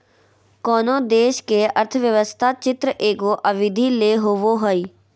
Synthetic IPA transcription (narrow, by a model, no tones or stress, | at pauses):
kɔːnõːd̪eːʃkeːʔəɾt̪ʰʋjəʋəst̪ʰaːt͡ʃɪt̪ɾəʔeːɡoːʔəʋɪd̪ʱiːleːɦoʋoːɦoiː